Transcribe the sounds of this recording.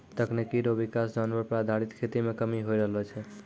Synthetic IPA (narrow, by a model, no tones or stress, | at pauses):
t̪əkʰnekiɾobikasd͡ʒanʋəɾpɾad̪ʱaɽit̪kʰet̪imekəmiɦojɾəɦlɛt͡ʃʰɛ